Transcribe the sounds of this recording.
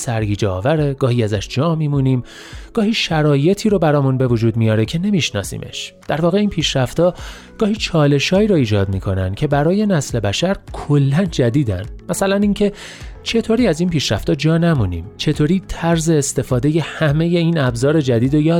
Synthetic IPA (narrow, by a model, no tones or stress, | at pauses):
sæɾɡiːd͡ʒeɒ̰ːvæɾe̞ɡ̥ɒːhiæzæʃd͡ʒɒːmiːmuniːm | ɡ̥ɒːhiːʃæɾɒːje̞t̪ʰiːɾobæɾɒːmunbe̞vod͡ʒuːd̪mijɒːɾecʰe̞ne̞miːʃnɒ̰ːsḭːmʔe̞̰ʃd̪̥æɾvɒːɣe̞iːnpʰiːʃɾæft̪ɒː | ɡ̥ɒːhiːt͡ʃʰɒːle̞ʃɒːiːɾoiːd͡ʒɒːd̪̚miːkʰo̞næ̰nd̪̥cʲʰe̞bæɾɒːje̞næsle̞bæʃæɾkʰolːænd͡ʒæd̪iːd̪æ̰nmæsælæniŋcʰe̞ | t͡ʃʰe̞t̪ʰoːɾiːæziːnpiːʃɾæft̪ɒːd͡ʒɒːnæmunḭːmt͡ʃʰe̞t̪ʰoːɾiːt̪ʰæɾze̞ːst̪e̞fɒːd̪e̞je̞hæme̞je̞iːnæbzɒːɾe̞d͡ʒæd̪iːd̪ojɒː